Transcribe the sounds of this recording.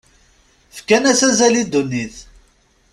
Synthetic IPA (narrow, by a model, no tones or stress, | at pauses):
fkænæsæzælid̪ːunːiθ